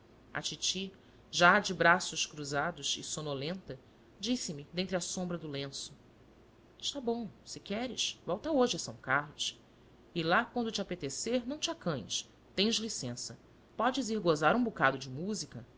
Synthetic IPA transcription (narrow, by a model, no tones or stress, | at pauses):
ɐ̰t͡ʃit͡ʃi | ʒad͡ʒɪbɾasʊʃkɾuzad̪ʊʃɪ̰sonolẽnt̪ɐ | d͡ʒisɪmɪd̪ẽnt̪ɾɪɐsõmbɾɐd̪ʊlẽsʊ̥ | ɪʃt̪abõw̃sɪkɛɾɪ̰ʃvɔwt̪aoʒɪɐsɐ̃w̃kahlʊs | ɪlakwɐ̃nd̪ʊt͡ʃɪapet̪eseɾnɐ̃w̃t͡ʃɪakɐ̃ɲ̃ɪ̰ʃ | t̪ẽj̃ʒlisẽsɐ | pɔd͡ʒɪziɾɡozaɾũbukad̪ʊd͡ʒɪmuzikɐ